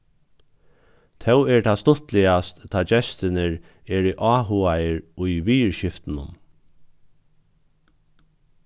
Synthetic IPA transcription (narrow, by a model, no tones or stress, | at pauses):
t̪ʰɛwɛɹt̪ʰaːst̪ʊt̪lɪast̪t̪ʰːaːd͡ʒɛst̪ɪnɪɹ | ɛɹiʔɑːɦuajəɹʊjʋiːɹʃɪft̪nʊ̰n